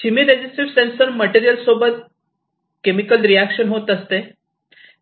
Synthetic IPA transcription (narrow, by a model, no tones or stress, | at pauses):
t͡ɕimiɾed͡ʑisʈiʋsensəɾməʈiɾijəlsobət̪̚ | kemikəlɾiækɕənɦot̪əst̪e